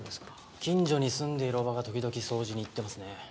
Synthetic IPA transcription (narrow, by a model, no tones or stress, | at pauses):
d̪eskḁ | kʲĩɲd͡ʑo̞ɲ̟isɨ̃nd̪e̞iɾo̞βaɡat̪o̞kʲid̪o̞kʲiso̞ːʑiɲ̟iːt̪ːe̞masɨne̞